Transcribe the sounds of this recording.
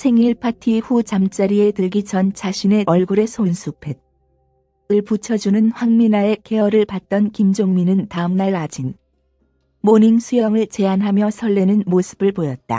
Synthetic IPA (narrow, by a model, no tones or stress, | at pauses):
sʰe̞ŋiɭpʰatʰihut͡ɕamt͡ɕ͈aɾie̞tɯɭɡit͡ɕʌnt͡ɕʰaɕʰine̞ʔʌɭɡuɾe̞sʰonsʰupʰe̞d̚ | ɯɭput͡ɕʰʌd͡ʑunɯnɸwaŋminae̞ke̞ʌɾɯɭpat̚t͈ʌnkimd͡ʑoŋminɯntaɯmnaɭad͡ʑin | moniŋsʰujʌŋɯɭt͡ɕe̞anɦamjʌsʰʌɭːenɯnmosʰɯ̥bɯɭpojʌt̚t͈a̰